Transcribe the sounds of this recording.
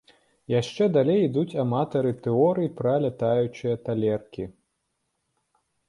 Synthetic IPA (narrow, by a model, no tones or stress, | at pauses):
jaʂt͡ʂɛd̪alʲejid̪ut͡sʲamat̪ɐɾɨt̪ɛɔɾɨjipɾɐlʲat̪ajut͡ʂɨjɐt̪alʲɛrkʲi